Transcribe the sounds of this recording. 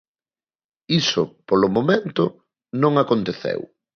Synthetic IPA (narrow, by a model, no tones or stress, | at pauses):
isʊpolʊmomẽnt̪ʊ | nõŋakont̪eθḛw